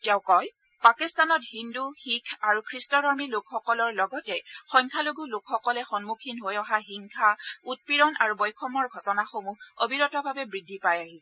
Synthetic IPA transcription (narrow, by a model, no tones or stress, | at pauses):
tɛʊkɔj | pakistanɔtɦinduxikʰaɹukʰɹistɔdɔɹmilukʰxɔkɔlɔɹlɔɡɔtɛxɔjŋkʰaloɡulukxɔkɔlɛxɔnmukʰinɦojɔɦaɦiŋkʰaut̚piɹɔnʔaɹubɔjkʰɔmɔɹɡʱɔtɔnaxomuobʱiɹɔtɔbʱabɛbɹidʱːipajaɦisɛ